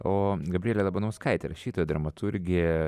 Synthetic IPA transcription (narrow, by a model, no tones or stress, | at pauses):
oːɡɐbʲɾʲielʲɛlˠɐbɐnʊskɐɪt̪ʲɛ̰ɾɐʃʲiːt̪oːjod̪ɾɐmɐt̪ʰʊɾʲɡʲɪjɛ